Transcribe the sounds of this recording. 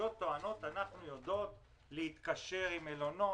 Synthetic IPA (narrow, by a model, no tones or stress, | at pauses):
o̞t̪ːo̞ano̞t̪anaχnujod̪o̞t̪ | leit̪kaʃe̞ʁimelo̞no̞